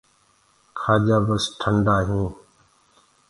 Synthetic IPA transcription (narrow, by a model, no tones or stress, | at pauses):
kʰaːʄaːbəsʈʰəɳɖaːɦũː